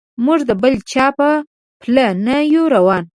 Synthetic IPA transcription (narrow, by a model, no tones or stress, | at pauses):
muʐd̪əbəlt͡ʃɑpə | plənajuɾawɑn